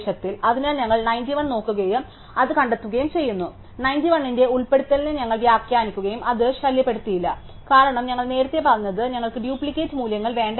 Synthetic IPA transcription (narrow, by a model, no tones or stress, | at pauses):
ɕɐt̪ːilɐðinaːnɲɐŋːɐɭnɐjndiʋɐɳno̞ːkːuɣɐjum | ɐðɨkɐɳɖet̪ːuɣɐjumt͡ɕe̞jːunːu | nɐjndiʋɐɳːinde̞uɭpe̞ɽut̪ːɐlinɨɲɐŋːɐɭʋjaːkjaːnikʲːuɣɐjumɐðɨɕɐljɐpːe̞ɽut̪ːijilːɐ | kaːɾɐɳɐmɲɐŋːɐɭne̞ːɾɐt̪ːe̞pɐrɐuɲːɐðɨɲɐŋːɐɭkɨɖjuːpɭikʲːe̞ːtːɨmuːljɐŋːɐɭʋe̞ːɳɖ